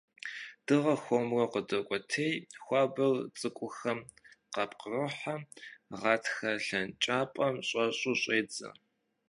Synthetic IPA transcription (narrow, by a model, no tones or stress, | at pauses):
d̥ɨʁɐxʷomrɐqədɐkʷʼɔtʰejxʷɑːbɐrt͡sʼɨkʷʼʊxɐmqɑpʼqrɨħamʁɑːtʰxɐɬɐnt͡ʃʼaːpʼɐmɕʼɐɕʼʊɕʼeːd͡zɐ̰